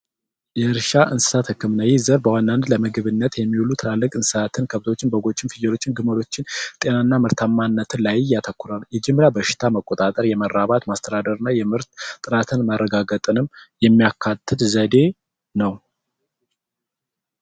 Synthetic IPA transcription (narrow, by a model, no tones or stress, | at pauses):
jɛɨɾʃaʔɨnsɨ̥sat̪hɨkːɨmnajezəɾbəwand̪and̪ləmɨɡɨβɨnːət̪jɛmːiwulut̪ʰɨlalːɨkʼɨnsɨat̪ʰɨnkʰəβt̪ʰo̞t͡ʃːɪnbəɡo̞t͡ʃːɪnfijɛɾo̞t͡ʃːɪnɡɨməɾo̞t͡ʃːɪnt̪ʼe̞naɨnːamɨɾt̪ʰamːanːət̪ʰɨlajjat̪ʰəkʰːuɾaljɛd͡ʒɪmːɾabəʃɪ̥t̪ʰaməkʼːot̪ʼat̪ʼəɾjɛməɾːaβat̪mast̪ʰəd̪ad̪əɾɨnːajɛmɨɾt̪ːʼɨɾat̪ʰɨnmarːəɡaɡət̪ʼɨnɨmjɛmːijakʰːat̪ʰːɨt̪zəd̪e̞ | nəw